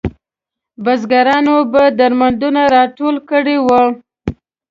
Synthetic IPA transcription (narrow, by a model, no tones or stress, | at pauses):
bazɡaɾɑnobad̪aɾmand̪unaɾɑʈolkəɽewə